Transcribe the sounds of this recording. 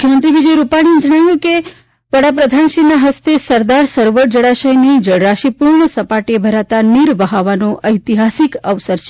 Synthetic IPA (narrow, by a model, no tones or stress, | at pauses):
mukʰjəmənt̪ɾiʋid͡ʒəjɾupaɽ̃iemd͡ʒəɽ̃aʋjũke | ʋəɽapɾəd̪ʱanʃinaɦəst̪esəɾd̪aɾsəɾʋəʈd͡ʒəɽaʃəjnid͡ʒəɽɾaʃipuɾɳəsəpaʈebʱəɾat̪aniɾʋəɦaʋanoʔəjt̪iɦasikəʋsəɾt͡ʃʰ